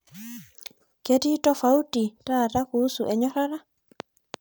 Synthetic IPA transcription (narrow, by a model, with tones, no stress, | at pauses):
ke˦ti˦tɔ˦fa˦u˦ti˨ta˦˨ta˦ku˦su˨ʔɛ˨ɲɔ˦ɾa˦ɾa˦